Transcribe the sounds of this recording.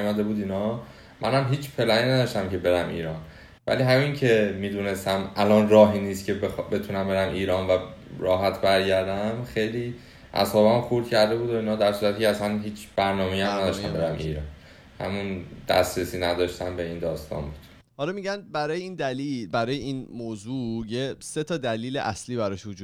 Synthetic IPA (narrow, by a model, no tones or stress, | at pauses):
mæd̪ebuːd̪inɒː | mʔæ̰næmɦiːt͡ʃpʰe̞læniːnæd̪ɒːʃt̪æmcʰebe̞ɾæmḭːɾɒːn | væ̰liːɦæmiŋcʰe̞miːd̪une̞st̪æmælɒnrɒːɦiniːst̪cʰe̞bexbe̞t̪ʰunæmbeɾæmʔiːɾɒːnvæɾɒːɦæt̪ʰbæɾɟæɾd̪æmxejliː | ʔæ̰sɒːbamxuɾd̪cʰæɾd̪e̞buːd̪oinhɒːd̪æɾsuːɾæt̪ʰicæsænhiːt͡ʃʰb̥æɾnɒːmejæmnæd̪ɒʃt̪æmbeɾæmʔḭːɾɒn | hæ̰mund̪̥æ̰st̪ɾesiːnæd̪ɒʃt̪æmbe̞iːnd̪ɒːst̪ɒ̰nbuːd̪̥ | hɒːlɒmiɟænbæɾɒːjeiːnd̪ælibæɾɒːjeiːnmozuːjese̞t̪ʰɒːd̪æliːleʔæsliːbæɾɒʃʋod͡ʒuː